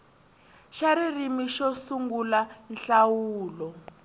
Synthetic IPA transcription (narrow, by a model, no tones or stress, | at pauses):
ʃaɾirimiʃɔsuŋɡulanɬawuːlɔ